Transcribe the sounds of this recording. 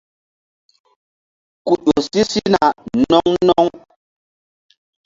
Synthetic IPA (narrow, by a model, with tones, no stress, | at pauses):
ku˨ɗo˨si˦si˦na˨nɔ˦ŋnɔ˦ŋ